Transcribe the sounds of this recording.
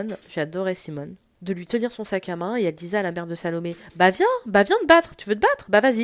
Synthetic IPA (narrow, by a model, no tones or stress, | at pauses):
nʒ̥ead̪ɔʁesimɔn | d̪əlɥit̪əniʁsɔ̃sakamɛ̃eɛld̪izɛalamɛʁd̪əsalomebavjɛ̃bavjɛ̃d̪əbat̪χt̪yvøt̪əbat̪χbavazi